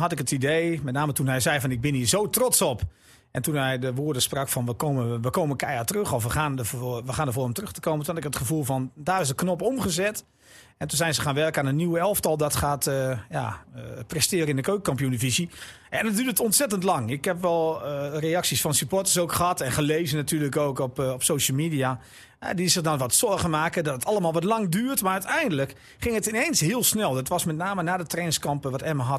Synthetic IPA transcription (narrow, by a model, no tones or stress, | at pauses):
ɦɑtɪkətidejmɛtnaːmətunɦɛjzɛjfɔnɪɡ̚bɪniːzowtrɔtsɔp | ʔɛntunɦɛjdəʋoədəsprɑkfɔnʋəkoːməʋəkoːməkɛjatərøxɔfʋəxaːnəʋəxaːndəvoːrɔmtərɵxtə̥koːmətunhɑtɪkətχəvulˠfɔndaːrɪsdəknɔpɔmχəzɛt | ɛntunzɛjnzəxaːnʋɛrkaːnənːiwəɛlˠftɑlˠdɔtχaːtəja̰prɛstɪːɾəɪndəkøɥk̚kɑmpjunəfizi | andɔdyːətɔntsɛtəntlɑŋɪkhɛpʋɛlˠreɑksisfɔnsypɔtəsowkχəɦɑtɛnχəleːzənatyːləkoːkɔpɔpsoːʃəl̩ˠmiːdia | ɛ̰disɪχdɔnʋɔtsɔɹɣəmaːkədɔtətʰɑlˠəmaːlˠʋɔtlɑŋdyːərtmarœɥtɛjndələk | χɪŋətɪnensɦɪəlˠsnɛlˠɔtʋɔsmɛtnaːmənaːdətrɛːnskɑmpəʋɔtɛməɦɑt